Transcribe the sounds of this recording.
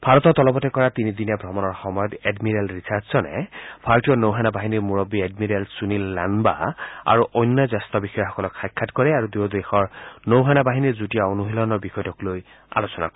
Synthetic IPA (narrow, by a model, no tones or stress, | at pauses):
bʱaɹɔt̪ɔtɔlɔbɔtɛkɔɹat̪inid̪inabʱɹɔmɔnɔɹxɔmɔjɔtedmiɹɛlɹisaɹzzɔnɛ̰b̥ʰʱaɹtijɔnowɦanabaɦiniɹmuɹɔbːiedmiɹelsunilːa̰nba̰a̰ɹuʔɔjnːɔzast̪ɔbixɔjɔxɔkɔlɔkxajkʰːatkɔɹɛaɹudujodexɔɹnowɦanabaɦiniɹzutijaonuɦilɔnɔɹbixɔjtɔkloj | a̰losɔna̰kɔ